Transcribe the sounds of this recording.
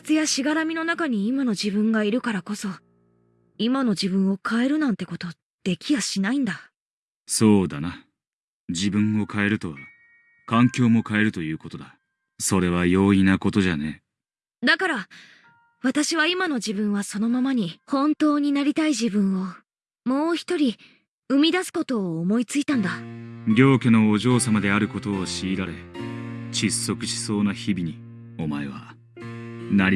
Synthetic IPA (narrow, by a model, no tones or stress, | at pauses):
kt͡sɨjaɕiɡaɾamʲino̞nakaɲ̟iːmano̞ʑibɯ̟̃ŋɡaiɾɯ̟kaɾako̞so̞ | imano̞d͡ʑibɯ̟̃ɰ̃o̞kʰae̞ɾɯ̟nãnt̪e̞ko̞t̪o̞ | d̪̥e̞kʲiβaɕinaĩnd̪a | so̞ːd̪ana | d͡ʑibɯ̟̃ɰ̃o̞kʰae̞ɾɯ̟t̪o̞ | kãŋkʲo̞ːmo̞kae̞ɾɯ̟t̪o̞jɯ̟ːko̞t̪o̞d̪a | so̞ɾe̞β̞ajo̞ːinako̞t̪o̞ʑane | d̪akaɾa | βat̪aɕiβaimano̞ʑibɯ̟̃ɰ̃βaso̞no̞mamaɲ̟ihõ̞nt̪o̞ːɲ̟inaɾʲit̪aiʑibɯ̟̃ɰ̃o̞ | mo̞ːçi̥t̪o̞ɾʲi | ɯ̟mʲid̪asɨ̥ko̞t̪o̞ːmo̞it͡sɨit̪ãnd̪aɡʲo̞ːkeno̞ːʑo̞ːsamad̪e̞aɾɯ̟ko̞t̪o̞ːɕiːɾaɾe̞ | t͡ɕisːo̞kɯ̟ɕi̥so̞ːnaçibʲiɲ̟i | o̞maeβa̰ | naɾʲ